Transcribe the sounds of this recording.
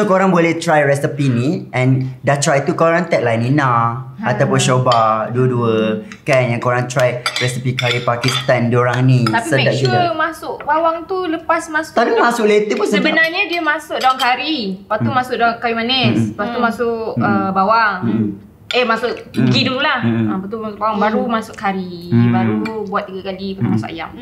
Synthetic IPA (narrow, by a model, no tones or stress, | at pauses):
okoɾãŋbolɛt̪ɾajɹɛsipiniʔɛ̃ndat̪ɾajt̪ukoɾãŋt̪ɛʔ̚lajninaat̪awpʊnʃobaduəduə | kɛnjãŋkoɾãŋt̪ɾajɹɛsipikaɾipakist̪andioɾaŋnit̪asiədad͡ʒulamasʊʔbawaŋt̪uləpasmasʊalumasʊʔlet̪əpʊnsəəbənaɲədiəmasʊʔ̚dawaŋkaɾipaumasʊʔdaŋkawimanɛspat̪umasʊʔəbawaŋ | əmasʊʔɡidulahãpat̪umasʊʔbawaŋbaɾumasʊʔkaɾibaɾut̪ubuat̪̚ːiɡakalipat̪umasʊ̰ʔa̰ja̰m